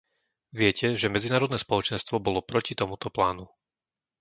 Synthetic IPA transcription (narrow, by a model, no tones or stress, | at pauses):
ʋɪɛcɛʒɛmɛd͡zinaːɾɔd̪nɛːspɔlɔt͡ʃɛnst̪ʋɔbɔlɔpɾɔcit̪ɔmut̪ɔplaːnu